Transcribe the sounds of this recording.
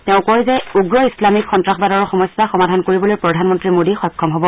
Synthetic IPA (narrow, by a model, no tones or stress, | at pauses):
tɛʊ̃kɔɹzɛuɡɹɔislamikxɔntɹaxbadɔɹɔxɔmɔsːaxɔmadʱankoɹibɔlojpɹɔdʱanmɔntɹimodixɔjkʰːɔmɦɔbɔ